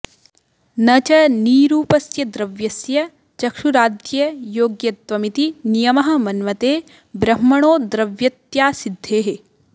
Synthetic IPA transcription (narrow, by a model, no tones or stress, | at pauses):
nɐt͡ʃɐniːɾuːpɐsjɐd̪ɾɐʋjɐsjɐ | t͡ʃɐkʃuɾaːd̪jɐjoːɡjɐt̪ʋɐmit̪inijɐmɐɦɐ̆mɐnʋɐt̪eː | bɾɐmːɐɳoːd̪ɾɐʋjɐt̪jaːsid̪ʱːeːɦe